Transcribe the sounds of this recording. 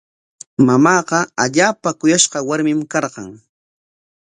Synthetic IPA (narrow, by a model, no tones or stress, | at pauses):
mamɑːqɑaʎaːpakʊjaʃqɑwaɾmɪmkɑɾɢɑ̰ŋ